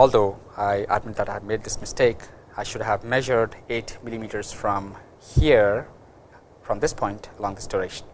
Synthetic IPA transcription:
ɔld̪oaɪʔə̰d̚mɪt̚d̪ætaɪvmed̚d̪ɪsmɪsteɪk | ajʃʊdɦævmɛʒə˞ɖeʈmilimiʈəɹz̥fɹɔ̃m | hiɹ | fɹɔ̃md̪ɪspʰɔ̃ɪ̃ntəlɔ̃ŋd̪ɪsdəɹɛkʃə̃n

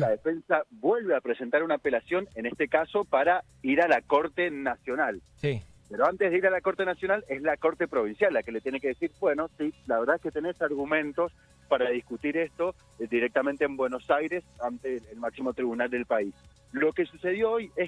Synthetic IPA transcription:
laðefe̞nsaβwe̞lβe̞apɾese̞nt̪aɾunaːpe̞lasjo̞nene̞st̪ekaso̞paɾa | iɾalako̞ɾt̪e̞nasjo̞nal | si | peɾoant̪eðeiɾalako̞ɾt̪e̞nasjo̞nalezlako̞ɾt̪e̞pɾo̞βinsjalːakelet̪jeneke̞ðesiɾbwe̞no̞silaβeɾðaesket̪ene̞saɾɣumẽ̞nt̪o̞s | paɾaðiskut̪iɾe̞st̪o̞ | d̪iɾek̚t̪ament̪eːmbwe̞no̞sajɾe̞sant̪eːlmaksimo̞t̪ɾiβunald̪e̞lpais | lo̞ke̞suse̞ð̞jo̞oje

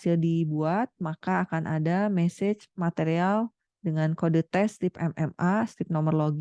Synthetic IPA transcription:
sɪldibuat̪̚makaːkanʔa̰damɛsɪt͡ʃmat̪eɾial | dəŋankodət̪ɛst̪ipɛ̰mɛ̰mast̪ip̚nomərloɡ

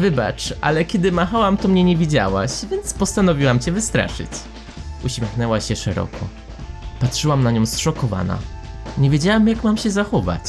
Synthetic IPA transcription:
vɘba̰t͡ʂʔa̰lɛkʲɛd̪ɘmaxawamt̪ɔmɲɛɲɛvʲid͡ʑa̰wa̰ɕvʲjɛnt̪spɔst̪anɔvʲiwamt͡ɕɛvɘst̪ɾa̰ʂɘ̰t͡ɕ | uɕmʲjɛxnɛwaɕɛʂɛɾɔ̰kʰɔ̰ | patʂɘwamnaɲɔ̃w̃sʂɔkɔva̰na̰ɲɛvʲjed͡ʑawamjakmamɕɛzaxɔva̰t͡ɕ

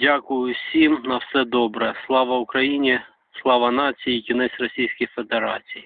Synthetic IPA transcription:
dʲakʊjʊsʲimnɐwsɛd̪ɔbɾɛslˠɑʋɐʊkɾɐjinʲi | slˠɑʋɐnɑt͡sʲijikʲɪnɛsʲrɔsʲijsʲkʲɪjfed̪eɾɑt͡sʲiji

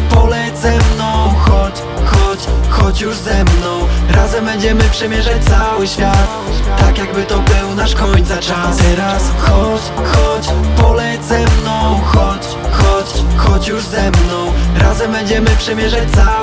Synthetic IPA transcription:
pɔlɛzɛmnɔ̃w̃xɔt͡ɕ | xɔt͡ɕxɔt͡ɕjuʐzɛmnɔ̃w̃ɾazɛmbɛɲd͡ʑɛmɘpʂɛmʲjɛʐat͡ɕ̚t̪sawɘɕfʲjat̪ | t̪ːakjaɡ̚bɘt̪ɔbɘwnaʂkɔɲt̪sat͡ʂat̪ɛɾasxɔt͡ɕxɔt͡ɕpɔlɛzɛmnɔ̃w̃xɔt͡ɕ | xɔt͡ɕxɔt͡ɕjuʐzɛmnɔ̃w̃ɾazɛmbɛɲd͡ʑɛmɘpʂɛmʲjɛʐat͡ɕt̪sa

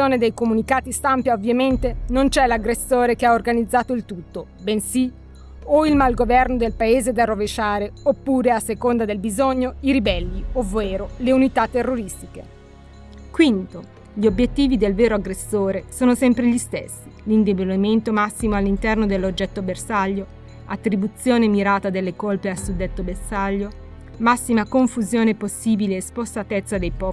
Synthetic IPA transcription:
oːned̪ejkomunikaːt̪ist̪ampjaovːjament̪enont͡ʃɛlaɡɾesːoːɾekeaorɡanid̪zːaːt̪oilt̪ut̪ːo | bensi | oilmalɡovɛrnod̪elpaeːzed̪aroveʃaːɾeopːuːɾeasːekond̪ad̪elbizoɲːoiɾibɛlːioveːɾoleunit̪at̪ːerːoɾist̪ikḛ | kwint̪o | ʎiobjet̪ːiːvid̪elveːɾoaɡɾesːoːɾesoːnosɛmpɾeʎist̪ḛsːilind̪eboliment̪omasːimoalːint̪ɛrnod̪elːod͡ʒːɛt̪ːobersaʎːo | at̪ːɾibut̪sːjoːnemiɾaːt̪ad̪elːekolpealsud̪ːet̪ːobersaʎːo | masːimakoɱfuzjoːneposːiːbileːspost̪at̪et̪sːad̪ejpɔ

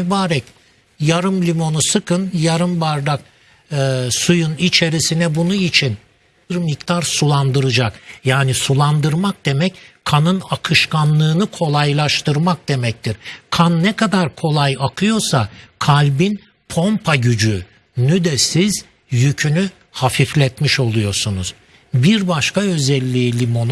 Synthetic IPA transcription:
ybaːɾɛc | jaɾɯmlʲimo̞nusɯkʰɯnjaɾɯmbaɾd̪ak | ɯsujunit͡ʃʰe̞ɾisinɛbunuit͡ʃʰin | ɾmikt̪aɾsulˠand̪ɯɾɯd͡ʒakjaːnisulˠand̪ɯɾmak̚d̪̥e̞mɛckʰanɯnakʰɯʃkʰanlˠɯːnɯkʰo̞lˠajlˠaʃt̪ʰɯɾmak̚d̪e̞mɛc̚t̪ʰiɾkʰanːɛkʰad̪aɾkʰo̞lˠajakʰɯjo̞ɾsakʰalʲbin | pʰo̞mpʰaɟyd͡ʒy | nyd̪ɛsiz | jycʰyny | hafiflʲɛt̪miʃo̞lˠujo̞ɾsunuz̥ | biɾbaʃkaø̞zɛlʲːiːlʲimo̞n

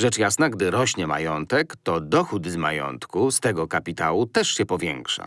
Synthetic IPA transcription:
ʐɛt͡ʂjasnaɡd̪ɘɾɔɕɲɛma̰jɔnt̪ɛkt̪ɔd̪ɔxud̪zma̰jɔ̰nt̪kust̪ɛɡɔkapʲit̪awut̪ɛʂɕɛpɔvʲjɛ̰ŋkʂa̰

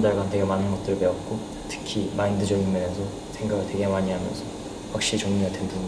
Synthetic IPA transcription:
daɭɡantwe̞ɡemanɯnɡʌt̚t͈ɯɾɭpeʌt̚k͈o | tʰɯ̥kʰimaindɯd͡ʑʌɡinmʌnesʰʌ | sʰe̞ŋɡaɡɯɭtwe̞ɡe̞maɲiɦamjʌ̰nsʰʌ | wak̚ɕ͈it͡ɕʌŋɲiɡadendɯ

